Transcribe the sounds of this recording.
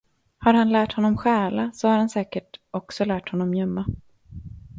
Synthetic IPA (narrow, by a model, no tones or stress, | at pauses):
haɾhanlæːʈhɔnːɔmɧæːlasɔhaɾhansɛːkəʈɔksɔlæːʈhɔnːɔmjœmːa